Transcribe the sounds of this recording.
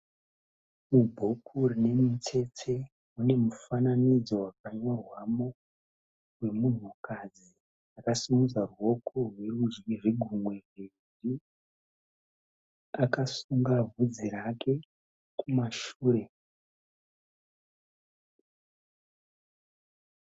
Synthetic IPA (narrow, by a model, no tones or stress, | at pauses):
mubʱo̞kʰurine̞mut͡se̞t͡se̞ | une̞mufananid͡zo̞wakaɲo̞rwamo̞ | rwe̞mun̤ukad͡zi | akasumud͡zarwo̞kʰo̞rwe̞rud͡ʒiʐeɡʱumwe̞re | ri | akasuŋɡavʱud͡ziɾakʰe̞ | kumaʃuːɾe̞